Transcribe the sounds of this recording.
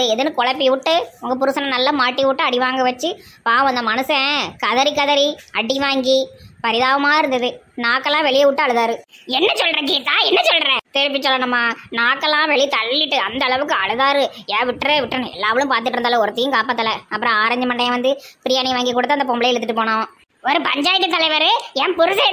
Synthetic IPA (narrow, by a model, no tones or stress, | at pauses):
ɯɛðɯnːɯkɔɭɐpːiʊʈːɯʊŋɡɐpʊɾɯsɐnɐnɐlːɐmaːʈːiʋʊʈːɯɐɽɪʋaːŋɡɐʋɐt͡ʃːɯ | paːɐnd̪ɐmɐnɐsɯɛ̃kɐðɐɾikɐðɐɾiɐɽiʋaːŋɡipɐɾɪðaːʋɐmaːɪɾɯnd̪ɐðɯnaːkːɐlːãːʋɛɭɪjɐʋʊʈːɯɐɭɯðaːɾɯɛnːɐsɔlːɾɛ̃kiːt̪ːaːɛnːɐt͡ʃɔlɾɛ̃ːt̪ɛɾɯpːɪt͡ʃːɔlːɐɳɐmːaːnaːkːɐlːãːʋɛɭit̪ɐɭːɪʈːɯɐnd̪ɐːɭɐʋɯkːɯɐɭɯðaːɾɯɛ̃ːʋɪʈːɾɯʋɪʈːɾɯnɛ̰lːaːʋɐɭɯ̃mpaːɾt̪̬ɯʈːɪɾɯndaːlɐ̃ɔɾɐt̪ːɪjɯ̃mkaːpaːt̪ːɐlɛɐpːɯɾɐ̃aːɾɐɲd͡ʒɐmɐɳɖɐjɐ̃ʋɐnd̪ɯpɪɾɪjaːniʋaːŋɡik̬ːuːɽɐt̪ːɐnd̪ɐp̬ɔmbɪlɐjɛɽɯt̪ːɯʈːɯpoːɳõː | ɔɾɯpɐɲd͡ʒaːjɪʈːɯt̪ːɐlɐɪʋɐɾɯɛ̃pʊɾɯsɐ